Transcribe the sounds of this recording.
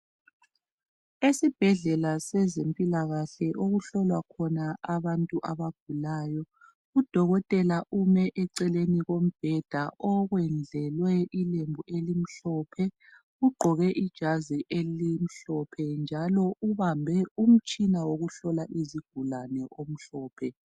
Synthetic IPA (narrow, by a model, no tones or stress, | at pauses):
esib̥ʱɛɮɛlasɛzempʼilaɣaɬɛʔoɣuɬɔlwakʰɔnaʔaβantʼuʔaβaɡ̥̚ʱulaːjɔ | ud̥ʱɔɣɔtʼɛlaʔumɛʔɛǀɛleniɣom̩b̥ʱɛd̥ʱaʔɔɣwɛnd͡ɮʱɛlwɛilembʱuʔelim̩ɬɔpʰɛ | uɡ͡ǃʱɔɣɛʔid̥ʒ̥ʱaziʔelim̩ɬɔpʰɛnd͡ʒʱalɔʔuβambʱɛum̩t͡ʃʼinawoɣuɬɔlaʔiziɡ̥ʱulanɛʔom̩ɬɔːpʰɛ